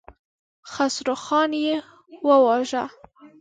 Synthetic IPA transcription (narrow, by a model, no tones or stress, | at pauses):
xasɾoxɑnje | wəwɑʒa